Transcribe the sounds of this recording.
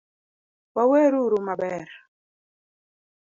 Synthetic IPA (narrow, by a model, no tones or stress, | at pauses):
wawɛɾuɾumaɓɛːɾ